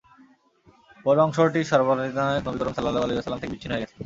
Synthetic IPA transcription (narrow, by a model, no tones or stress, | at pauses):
pɔɾɔŋʃoʈiʃɔɾboit̪aenobikɔɾomsɐlːalːaaleasɐlːamt̪ʰekebitt͡ɕʰinːoɦoeɛt͡ɕʰe̥